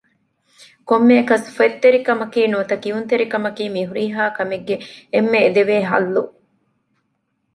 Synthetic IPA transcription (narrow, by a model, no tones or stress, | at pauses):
komːeːkɐsfet̪ːeɾikɐmɐkiːnuɐt̪ɐkiunt̪eɾikɐmɐkiːmiɦuɾiːɦaːkɐmeɡːeemːeːd̪eʋeːɦɐ̰lːu